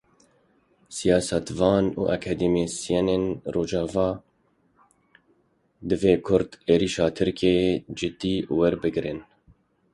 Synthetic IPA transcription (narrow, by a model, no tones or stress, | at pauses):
sijɑːsɛt̪vɑːnṵːʔɛkʰɛd̪emesijɛneːnroːd͡ʒɑːvɑː | d̪ɨveːkʰʊɾd̪eːɾiːʃɑːt̪ʰɨɾkʰed͡ʒɨt̪iːwɛɾbɨɡɾɨn